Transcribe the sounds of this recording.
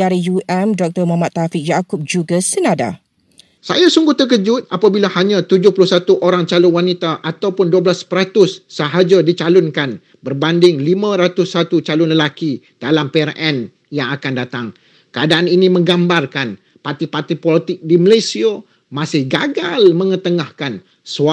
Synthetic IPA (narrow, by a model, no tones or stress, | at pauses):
aɾijuɛmdɔk̚t̪ərmamat̪ːafɪk̚d͡ʒakʊp̚d͡ʒuɡasənada̰ | sajasuŋɡuht̪ək̬əd͡ʒʊt̪̚apabilahaɲãt̪ud͡ʒʊhpulʊhsat̪uʔoɾaŋt͡ʃalʊnwanit̪aʔat̪awpʊnduablaspəɾat̪ʊsːəɦad͡ʒadit͡ʃalʊnkan | bərbandɪŋlimãɾat̪ʊsːat̪ut͡ʃalʊnləlaki | d̥alampeɛrɛn | jaŋakandat̪aŋ | kəadaʔaninimə̃ŋɡambarkan | part̪ipart̪ipɔlit̪ɪk̚diməlasia | mãsɪhɡaɡalmə̃ŋət̪əŋahkan | sa